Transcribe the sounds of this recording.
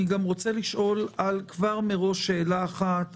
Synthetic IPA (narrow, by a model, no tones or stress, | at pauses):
iɡamʁo̞t͡se̞liʃʔo̞lalkvaʁmeʁo̞ʃːe̞ːlaːχat̪